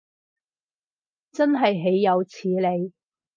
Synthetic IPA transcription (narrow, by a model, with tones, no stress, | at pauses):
t͡sɐ˥nɦɐ˨jɦe˨˥jːɐ˨˧wt͡sʰiː˨˥le˨˧j